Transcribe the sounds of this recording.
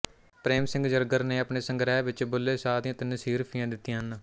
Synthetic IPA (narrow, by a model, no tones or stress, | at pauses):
pɾeːmsɪ̃ŋɡd͡ʒəɾɡəɾneːapneːsəŋɡɾɛːʋɪt͡ʃboːleːsaːd̪ĩːt̪ɪnsiːɾpʰiːãːd̪ɪt̪ːɪjãːɦən